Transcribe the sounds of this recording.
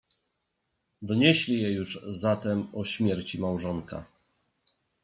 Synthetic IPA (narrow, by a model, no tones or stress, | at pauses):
d̪ɔɲeɕlʲijɛjuʐzat̪ɛmɔɕmʲjɛɾt͡ɕimawʐɔŋka̰